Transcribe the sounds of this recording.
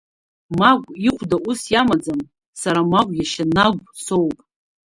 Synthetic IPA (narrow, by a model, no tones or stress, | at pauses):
maɡʷiχʷdaʔʊsjamad͡zam | saɾamaɡʷʼjaʃanaɡʷso̞wpʼ